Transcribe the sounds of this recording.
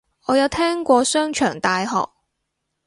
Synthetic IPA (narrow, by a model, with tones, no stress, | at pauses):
ʔɔː˨˧jɐ˨˧wt̪ʰɛː˥ŋkʷɔː˧sœː˥ŋt͡ʃʰœː˨˩ŋt̪aː˧jhɔ̰ː˨˩k̚